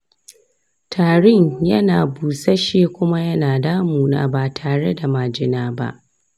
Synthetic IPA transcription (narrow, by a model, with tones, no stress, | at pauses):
tʰaː˨ɽɪ˦ɲjɐ˦naː˨buː˨sa˦ʃeː˦kʷʊ˦ma˦jɐ˦naː˨daː˦muː˨na̰ː˦ba˨tʰaː˨ɽe˦da˨maː˨d͡ʒɪ˦naː˦ba̰˦ʔ